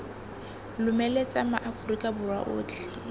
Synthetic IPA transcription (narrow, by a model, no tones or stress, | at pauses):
lʊmɛlet͡sʼamaʔafʊrikʼabʊrwa̰ʔo̰ːdiɬi